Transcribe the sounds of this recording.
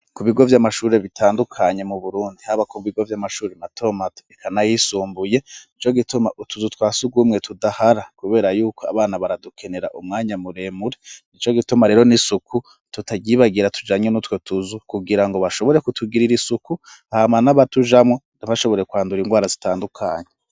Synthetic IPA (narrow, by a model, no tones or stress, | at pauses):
kuβiɡo̞vjamaʃuːɾe̞βitʰaːndukʰaɲe̞muβuɾuːndihaβakuβiɡo̞vjamaʃuːɾematʰo̞matekʰanajisuːmbujeit͡ʃo̞ɡituma̰ʔutuzutwaːsuɡwuːmŋe̞tʰudahaɾakuβe̞ːɾajuːkʰoa̰βaːnaβaɾadukʰe̞ne̞ɾa̰ʔumŋaːɲamuɾe̞ːmuɾenit͡ʃo̞ɡitumaɾe̞ɾo̞nisukʰu | tutʰaɟiːβaɡiɾatʰu̥d͡ʒaːɲenutwo̞tuzukuɡiɾaŋɡo̞βaʃo̞βo̞ɾe̞kutʰuɡiɾiɾisuku | hamanaβatuʒamŋo̞ | naβaʃo̞βo̞ɾe̞kwaːnduɾiŋɡwaːɾazitaːndukʰaːɲe